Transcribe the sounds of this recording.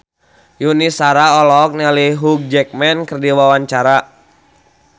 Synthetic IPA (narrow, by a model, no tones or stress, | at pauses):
junisaɾaɔlɔk̚nɛliɦuk̚d͡ʒɛk̚mɛnkərdiwawaɲt͡ʃaɾa